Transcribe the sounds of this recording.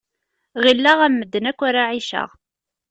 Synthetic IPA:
ʁilːaʁæmːəd̪ːənækʷːaɾaʕiʃə̰ʁ

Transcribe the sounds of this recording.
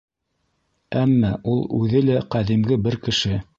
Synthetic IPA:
æmːæʔulˠʉðɘlæqæðimɡɘbɘɾkɘ̆ʃɘ

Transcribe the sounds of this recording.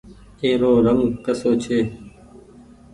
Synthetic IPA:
eːɾoːɾəŋɡkəsoːt͡ʃʰeː

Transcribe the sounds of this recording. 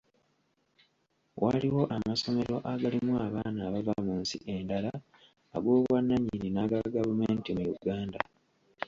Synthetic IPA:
wʔa̰liwo̞ʔamaso̞me̞ɾo̞ʔaɡalimuaːβaːnaːβavamuːnsḭʔe̞ndalaː | ɡwoːβwanːaɲːininaɡaɡavumeːntimujuɡaːnda

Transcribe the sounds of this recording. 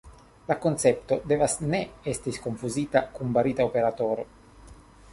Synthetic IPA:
lako̞nt͡se̞pt̪o̞de̞vasne̞estisko̞nfuzitakunbaɾitaope̞ɾato̞ɾo̞̰

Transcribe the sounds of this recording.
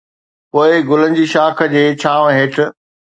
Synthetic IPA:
poːɪɡʊlən̆d͡ʑiːʃaːkʰə̆d͡ʑeːt͡ɕʰaːʋɦeːʈ̆ʰ

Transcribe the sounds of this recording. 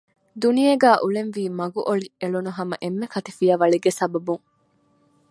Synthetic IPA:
d̪unijeɡæːʔulenʋiːmɐɡuʔoɭieɭunuɦɐmɐʔemːekɐt̪ifijɐʋɐɭiɡesɐbɐbuŋ

